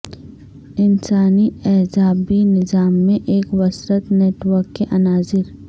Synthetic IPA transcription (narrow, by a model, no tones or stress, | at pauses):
ɪnsaːniɛːzaːbinɪzaːmːẽʔeːkwɐsɾət̪neːʈʋəɾkːeʔɐnaːzɪɾ